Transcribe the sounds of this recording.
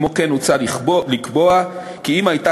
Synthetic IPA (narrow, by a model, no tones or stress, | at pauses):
mokenut͡saliχolikbo̞a | kiimajta